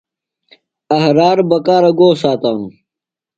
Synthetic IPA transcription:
ɐhɾaːɾbɐkaːɾɐɡoːsaːt̪aːnu

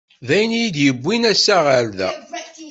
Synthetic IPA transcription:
ðæjənjid̪jəbʷːinæsæʁəɾðæ̰

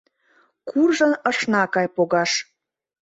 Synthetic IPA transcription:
kʰurʒənəʃnɑkɑjpoɣɑʃ

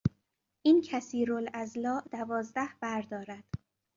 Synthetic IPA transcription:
ʔiːncʰæsiːɾolæzlɒːʔd̪̥ævɒːzd̪æhb̥æɾd̪ɒːɾæd̪̥

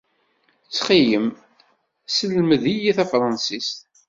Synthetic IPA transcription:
t͡sːχijəm | səlməðijiθæfɾˤɑnsist̪

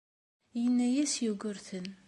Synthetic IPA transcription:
jənːæjæsjuɡʊɾθən

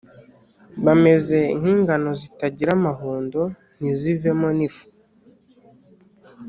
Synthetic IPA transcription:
βame̞ze̞inhiːŋɡano̞zitaɟiɾamaɦuːndo̞ | nizive̞mo̞nifu̥

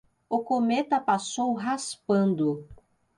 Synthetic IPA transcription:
ʊkomet̪ɐpasowɦaspɐ̃nd̪ʊ

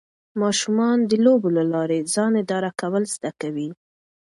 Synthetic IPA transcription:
mɑʃumɑnd̪əlobolalɑɾezɑnɪd̪ɑɾakawəlz̥d̪akawi

